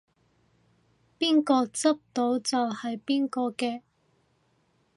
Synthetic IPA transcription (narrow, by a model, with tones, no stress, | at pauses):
piː˥nkɔː˧t͡sɐ˥p̚t̪o˨˥wt͡sɐ˨whɐ˨jpiː˥nkɔː˧kɛː˧